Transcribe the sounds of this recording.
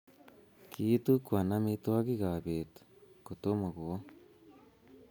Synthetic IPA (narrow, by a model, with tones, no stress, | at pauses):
kʰi˦t̪u˦kwa˨na˦mit̪wa˦ki˦ɣa˨βe˨t̪u̥ko˨t̪o˦ma˨ɣu˨o˦